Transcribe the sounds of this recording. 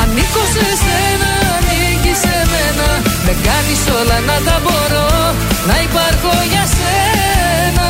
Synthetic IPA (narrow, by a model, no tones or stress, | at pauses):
ɐnikosesenɐni | ʝisemenɐðeŋɡɐnisolɐnɐt̪ɐboɾo | nɐipaɾkoɲɐse | nɐ